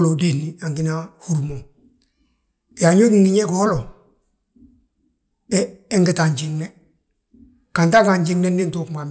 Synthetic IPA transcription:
lo˨de˦ni˨a˨ŋɡi˦na˦hu˦ɾumo˨ | ja˨ɲo˦diŋɡi˨ɲe˦ko˨ho˦lo˨ | eː˦ŋɡi˨ta˨ɲɟi˨ŋne˦ | ka˨nta˦ka˨ɲɟi˦ŋne˦ni˦nto˨kma˨m

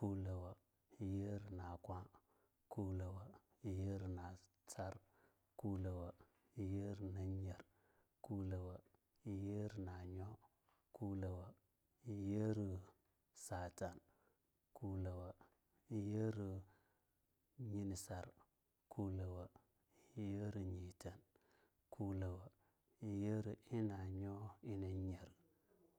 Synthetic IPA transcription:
ku˦lə˨wa˨ | je˦ɾi˨na˨kʷa˦ | ku˦lə˨wa˨ | je˦ɾi˨na˨ | t͡sa˦ɾ | ku˦lə˨wa˨ | je˦ɾi˨na˦ɲe˨ɾ | ku˦lə˨wa˨ | je˦ɾi˨na˨ɲo˦ | ku˦lə˨wa˨ | je˦ɾi˨ | sa˨ta˨n | ku˨˦la˨wa˨ | i˦je˦ɾi˨ | ɲi˦ni˨sa˨ɾ | ku˦lə˨wa˨˦ | je˦ɾi˨ɲi˨ta˨n | kʰu˦lə˨wa˨ | i˨je˦ɾi˨i˦na˨ɲo˦i˦na˨ɲe˨ɾ

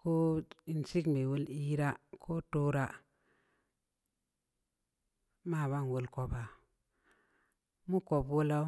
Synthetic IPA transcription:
ko˦i˨nsi˦kme˨wo˦li˦ɾa˦kʰo˦to˦ɾa˦ | ma˦˨βa˦˨n˨wo˦lko˦ba˨ | mu˦ko˨bwo˦la˦

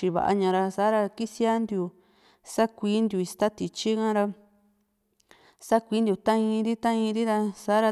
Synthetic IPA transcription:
t͡ʃi˧βa̰˨ʔa̰˧ɲã˧ɾa˧sa˨˦ɾa˧ki˦si˦a˦nd̪ju˧ | sa˦kʷiː˦nd̪ju˧i˧st̪a˦t̪i˧t͡ʃi˦kã˦˧ɾa˧ | sa˦kʷiː˨˦nd̪ju˧˨t̪ã˦ĩ˧ɾi˦t̪ã˦ĩ˧ɾi˦ɾa˧sa˨˦ɾa˧

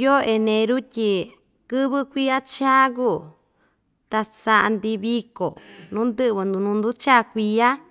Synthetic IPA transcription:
jo˦ʔe˧nẽ˧ɾu˦tʲi˧ | kɨ˦βɨ˦kʷi˦a˦t͡ʃa˦ku˦˨ | t̪a˧sa˧ʔa˧nd̪i˧βi˧ko˨nũ˦nd̪ɨ˦ʔβɨ˧nd̪ũ˧nũ˧nd̪u˦t͡ʃa˦˨kʷi˧ja˦

